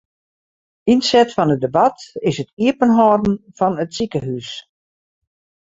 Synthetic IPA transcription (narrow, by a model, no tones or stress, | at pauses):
insɛtfɔnədəbatɪsətiəpənɦɔːdn̩fɔnətsikəɦys